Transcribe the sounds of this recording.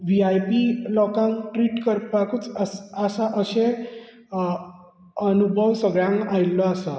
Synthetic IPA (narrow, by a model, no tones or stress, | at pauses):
ʋiajpilɔkãŋʈɾiːʈkəɾpakut͡səsasaʔəɕe | ənubʱəʋsəɡɭjãŋɡajlːɔasa